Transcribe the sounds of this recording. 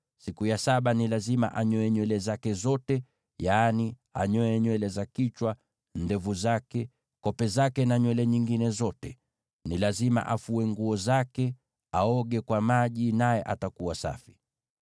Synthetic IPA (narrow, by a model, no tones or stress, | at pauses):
sikujasaɓanilazima̰ʔaɲɔɛɲwɛlɛzakɛzɔtɛ | jaːni | a̰ɲɔɛɲwɛlɛzakit͡ʃwa | ndɛvuzakɛ | kɔpɛzakɛnaɲwɛlɛɲiŋɡinɛzɔtɛ | nilazima̰ʔafuɛŋɡuɔzakɛ | aɔɠɛkwamaʄinajɛʔatakuwasa̰fi̥